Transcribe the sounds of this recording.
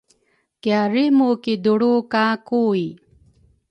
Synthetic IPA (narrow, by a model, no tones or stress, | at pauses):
kjaɾimukid̪uɽukakui